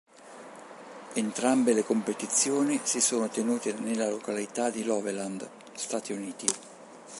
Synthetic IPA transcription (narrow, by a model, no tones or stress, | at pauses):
ent̪ɾambelekompet̪it̪sːjoːnisisoːnot̪enuːt̪enelːalokalit̪ad̪ilɔveland̪ | st̪aːt̪iuniːt̪i